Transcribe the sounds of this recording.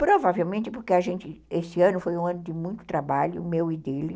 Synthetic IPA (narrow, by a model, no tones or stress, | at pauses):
pɾovavewmẽnt̪ɪpoɾkeaʒẽnt͡ʃ̪ɪesɪɐ̃nʊfojũɐ̃nʊd̪ɪmũj̃t̪ʊ̥t̪ɾabaʎʊ̰mewɪd̪elɪ